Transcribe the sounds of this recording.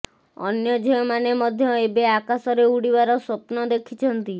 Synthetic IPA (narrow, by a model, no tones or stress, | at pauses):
ɔ̰njɔd͡ʒɔjɔmanemɔd̪ʱjɔebeakasɔɾeuɽibaɾɔsɔpnɔd̪ekʰit͡ʃʰɔnt̪i